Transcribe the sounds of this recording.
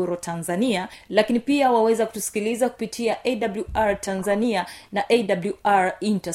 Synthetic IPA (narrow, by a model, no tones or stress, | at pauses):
uɾɔtʰanzanialakinipiawawɛzaku̥tusi̥kilizaku̥pitʰiaʔɛdabluʔaɾtʰanzanianaʔedabluʔaɾinta